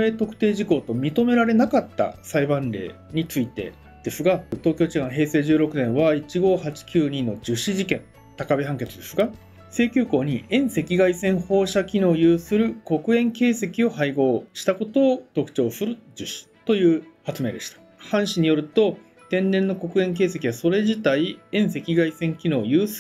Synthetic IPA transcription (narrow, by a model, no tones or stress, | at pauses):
e̞ːt̪o̞kɯ̟̥t̪e̞ːʑiko̞ːt̪o̞mʲit̪o̞me̞ɾaɾe̞nakat̪ːa̰saibãnɾe̞̰ː | ɲ̟it͡sɨit̪e̞̰ | d̪̥e̞sɨɡat̪o̞ːkʲo̞ːt͡ɕiɡãɰ̃ɦe̞ːse̞ːʑɨːɾo̞kɯ̟nẽ̞ɰ̃βait͡ɕiɡo̞ːhat͡ɕi̥kʲɨːɲĩno̞d͡ʑɨɕiʑikẽ̞n | t̪akabeɦãŋke̞t͡sɨd̪e̞sɨɡa | se̞ːkʲɨːko̞ːɲ̟iẽ̞ɰ̃se̞kʲiɡaisẽ̞ɰ̃ho̞ːɕakʲino̞ːjɯ̟ːsɨɾɯ̟ko̞kɯ̟ẽ̞ŋke̞ːse̞kʲio̞haiɡo̞ːɕi̥t̪ako̞t̪o̞ːt̪o̞kɯ̟̥t͡ɕo̞ːsɨɾɯ̟d͡ʑɨɕi̥t̪o̞jɯ̟ːhat͡sɨme̞ːd̪eɕi̥t̪ḁ | hãɰ̃ɕiɲ̟ijo̞ɾɯ̟t̪o̞ | t̪ẽ̞nːẽ̞nːo̞ko̞kɯ̟ẽ̞ŋk̬e̞ːse̞kʲiβaso̞ɾe̞ʑit̪aiẽ̞ɰ̃se̞kʲiɡaisẽ̞ŋkʲino̞ːjɯ̟ːs